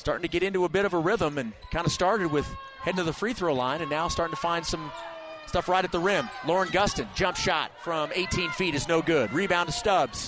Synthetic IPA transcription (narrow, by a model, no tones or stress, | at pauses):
stɑɹɾɪ̃ŋtʰɨɡɛɾɪ̃ntʉəbɪɾʌvəɹɪvə̃mɨ̃nkʰãɪ̃ndɨstɑɹɾɨd̚wɪð̥ | hɛɾ̃ⁿnɨðəfɹiθɹoʊlãɪ̃nɨ̃nːaʊstɑɹɾɪ̃ŋtʰəfãɪ̃nd̥sʌ̃m | stʌfɹaɪɾɨt̪̚ðəɹɪ̃mlɔɹɨ̃nɡʌstɨ̃nd͡ʒʌ̃mpʃɑ̰tfɹʌ̃meɪtʰĩnfiɾɨznoʊɡʊd̚ɹibãʊ̃ntʰɨstʌbz̥